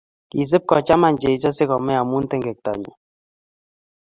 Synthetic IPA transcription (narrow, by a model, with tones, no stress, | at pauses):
i˨s̬ɨ˦p̚kɔ˨t͡ʃa˦ma˦˨n˨d͡ʒe˨i˨˦sɔ˦se˦kɔ˨mɛ˦a˨mu˦n̩˦tɛ˦ŋɡɛ˨k̚ta̰˨ɲṵ˨